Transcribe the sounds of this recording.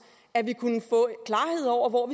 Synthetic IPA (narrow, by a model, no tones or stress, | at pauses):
æʋikʰunəfɔ̰̽kʰlɑ̈ːhe̝ð̞̰ˠɒʊ̰ɐʋɒʋi